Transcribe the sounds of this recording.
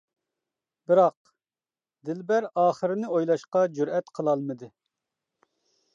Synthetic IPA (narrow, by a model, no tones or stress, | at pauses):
bɪɾɑq | d̪ɪlbæɾɑːχəɾɪnɪojlˠɑʃqɑd͡ʒuɾɛt̪qʰəlˠɑlˠmɨd̪ɨ